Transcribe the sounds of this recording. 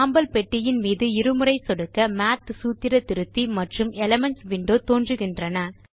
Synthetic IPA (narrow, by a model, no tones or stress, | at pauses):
aːmbɐlpɛʈːɪjɪnmiːðɯɪɾɯmɯrɐɪsɔɽɯkːɐmaːt̪suːt̪ːɪɾɐt̪ɪɾɯt̪ːimɐʈrɯmɛlɐmɛɳsʋɪɳɖoːt̪oːndrɯɣɪndrɐnɐ